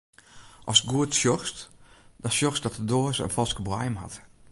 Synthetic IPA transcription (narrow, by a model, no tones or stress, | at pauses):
ʔɔsɡuətsjɔxstdɔsjɔxsdɔtədoːəsəə̰nfɔlˠskəbwajmha̰t